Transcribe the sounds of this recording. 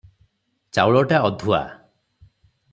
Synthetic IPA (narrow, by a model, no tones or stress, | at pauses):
t͡ʃawɭɔʈaɔd̪ʱua̰